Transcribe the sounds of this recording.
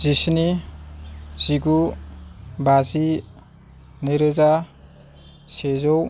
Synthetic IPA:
zisni | z̥iɡu | bazi | nɯjɾɯza | sezɔw

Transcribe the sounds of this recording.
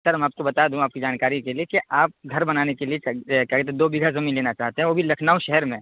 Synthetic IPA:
t̪əɾmaːp̚kobɐt̪aːd̪ũaːp̚kid͡ʒaːnkaːɾikeliekeʔaːp̚ɡʱɐɾbɐnaːnekeliet͡ʃkjaːket̪̬ed̪oːbiɡʱazɐmiːnleːnat͡ʃaːɦt̪eɦɛ̃ʋoːbʱilɐkʰnaːũʃɛɦəɾmẽ

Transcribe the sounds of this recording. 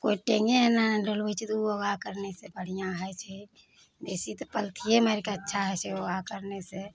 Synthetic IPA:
koiʈẽŋɡenaɖolbət͡ʃʰit̪uoɡakəɾnesebəɽ̤ijãɦɛt͡ʃʰɛ | b̪esit̪ɔpəlt̪ʰijeməɾkaətːʃʰaɦɛt͡ʃʰeoɡakəɾnese

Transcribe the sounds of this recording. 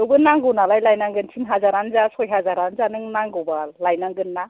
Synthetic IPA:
ɯwbɯnaŋɡɯwnalajlajnaŋɡɯnsʰinɦazaɾanzasɔjɦazaɾanzanɯŋnaŋɡɯwbalajnaŋɡɯnːa

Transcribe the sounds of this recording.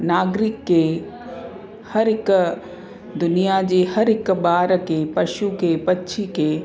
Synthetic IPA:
naːɡɾɪkːe | hɐɾɪk | d̪ʊnijad͡ʒehɐɾɪkbaːɾkepɐʃukepɐtːʃʰike

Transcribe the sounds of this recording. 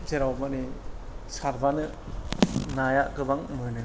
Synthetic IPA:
d͡ʒeɾawmanesaɾbanɯ | najakɯbaŋmɯnɯ

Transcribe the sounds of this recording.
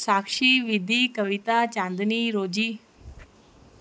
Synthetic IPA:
saːkʂiʋid̪ʱikəʋit̪at͡ʃãːnd̪niɾoːd͡ʒiː

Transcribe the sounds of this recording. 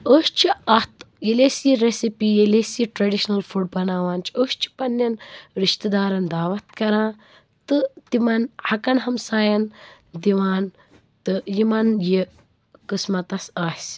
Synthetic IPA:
oːʃt͡ʃʰiɐt̪ | elesiɾesipijelesiʈɾɐɖiʃnɐlfuɖ̚bɐnaːʋaːnt͡ʃʰioːst͡ʃʰi̥pɐnːɐnɾiʃt̪ɐd̪aːɾɐnd̪aːʋɐt̪̚kɐɾãː | t̪ɨt̪imɐnhɐkɐnɦɐmsaːjɐn | d̪iʋaːn | t̪ɨjimɐnji | kɨsmɐt̪ɐsaːsʲ

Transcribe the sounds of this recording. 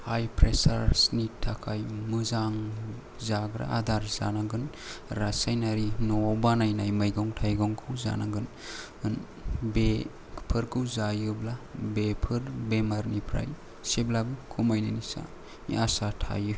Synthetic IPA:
hajpʰɾesaɾsnitʰːakʰajmɯzaŋ | zaɡɾa̰ʔadaɾza̰naɡɯn | ɾasajnaɾinɔbanajnajmajɡɔŋtʰajɡɔŋkʰɯwza̰naɡɯn | ɯn | be | pʰɯɾkʰɯwzajɯblabepʰɯɾbemaɾnipʰɾa̰j | seblabɯkʰumajnanisa̰ | ḭasatʰa̰jɯ

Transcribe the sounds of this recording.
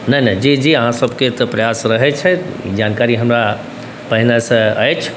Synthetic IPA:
nɐnɐd͡ʒid͡ʑiaɦãsɐbʱkʰet̪ɐpɾɐjaːsɾɐɦɛt͡ʃʰɛ | ḭd͡ʒaːnkaːɾiɦɐmɾa | pɐɦɪnasɐ̃ə̰et͡ʃʰ

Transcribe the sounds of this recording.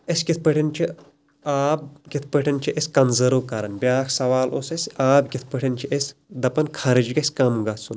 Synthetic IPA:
esʲɡʲit̪̚ʰpəʈʰɐnt͡ʃʰi | aːb̚ɡʲit̪ʰpəʈʰɐnt͡ʃʰiʔesʲkɐnzɐɾokaɾɐnbʲjaːkʰsɐʋaːlʔoːsɐsʲaːbɡʲit̪ʰpəʈʰɐnt͡ʃʰiʔesʲd̪ɐpɐnkʰɐɾɨd͡ʒɡɐsʲkɐmɡɐsun

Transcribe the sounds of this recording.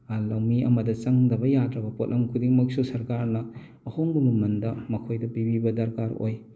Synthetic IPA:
lawmiʔɐ̰mɐdɐt͡ʃɐŋdɐbɐjatɾɐbɐpot̚lʔɐmkʰudiŋmɐksusɐɾkaɾnɐː | hoŋbɐmɐmɐndɐmɐkʰojdɐpibibɐdɐɾkaɾo̰j

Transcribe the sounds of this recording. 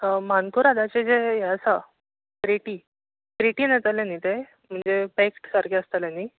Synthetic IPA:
mankuɾad̪ʱat͡ɕed͡zejasa | kɾeʈiː | kɾeʈiːnat̪aljanːit̪e | m̤əɳd͡zepekʈkaɾkeəst̪aljanːi

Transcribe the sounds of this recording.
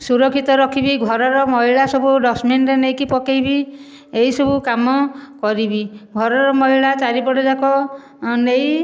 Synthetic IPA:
suɾɔkʰːit̪ɔɾɔkʰibiɡʱɔɾɔɾɔmɔɦiɭasɔbuɖɔsmenɾenejkipɔkejbi | eisɔbukamɔkɔɾibiɡʱɔɾɔɾɔmɔɦiɭat͡ʃaɾibɔɽɔd͡ʒakɔ | nej

